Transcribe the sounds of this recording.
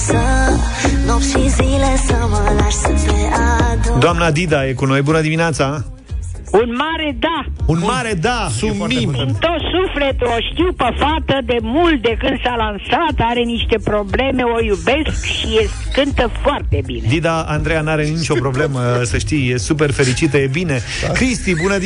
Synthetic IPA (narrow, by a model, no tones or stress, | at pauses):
sə | noʃizilesəməlaɾsəpeʔad̪d̪oamnad̪id̪ajekuno̞jbunəd̪imineat̪sa | unmaɾe̞d̪aunmaɾed̪asuimɨnt̪o̞t̪sufle̞t̪uoʃt̪iwpəfat̪əd̪e̞mult̪̚d̪e̞kɨnd̪salansat̪aɾe̞niʃt̪e̞pɾo̞ble̞me̞o̞jube̞skʃijes | kɨnt̪əfoart̪e̞bḭned̪id̪aand̪ɾejanaɾe̞nit͡ʃo̞pɾo̞ble̞məsəʃt̪ijjesup̬e̞rfe̞lit͡ʃit̪əje̞bine̞ | kɾist̪ibunə